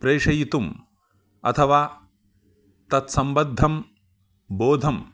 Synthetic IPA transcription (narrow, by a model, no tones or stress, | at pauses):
pɾeːʂɐjit̪um | ɐ̰t̪ʰɐʋaː | t̪ɐt̪sɐmbɐd̪ʱːɐm | boːd̪ʱɐm